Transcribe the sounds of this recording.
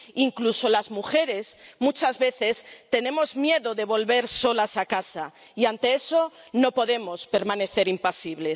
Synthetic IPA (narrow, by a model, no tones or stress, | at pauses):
iŋkluso̞lazmuxe̞ɾe̞smut͡ʃazβe̞θe̞st̪e̞nẽ̞mo̞zmje̞ðoðe̞β̞o̞lβe̞ɾso̞lasakasa | iant̪e̞esono̞po̞ðe̞mo̞spe̞ɾmãne̞θe̞ɾimpasiβle̞